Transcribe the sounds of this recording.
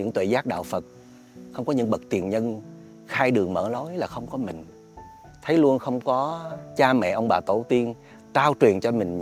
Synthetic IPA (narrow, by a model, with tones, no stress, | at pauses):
ɲɨ̰˧˥ŋt̪wḛ˧˨˩zaː˦˥k̚ɗa̰ː˧˨wfə˨˩t̚ | xə˧wŋ͡mkɔ˨˦ɲɨ̰˧˥ŋɓə˨˩k̚t̪i˨˩ənɲə˧n | xaː˧jɗɨ˨˩əŋmə̰ː˧˩lo˨˦jlaː˨˩xə˧wŋ͡mkɔ˨˦mï˨˩ŋ̟ | t̪ʰə˨˦jlu˧ənxə˧wŋ͡mkɔ˨˦t͡ɕaː˧mɛ̰˧˨ʔə˧wŋ͡mɓaː˨˩t̪o˧˩t̪i˧ən | taː˧wt͡ɕwi˨˩ənt͡ɕɔ˧mï˨˩ŋ̟